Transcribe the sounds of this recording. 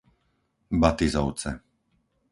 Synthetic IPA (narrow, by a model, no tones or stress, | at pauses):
bat̪izɔʊt͡sɛ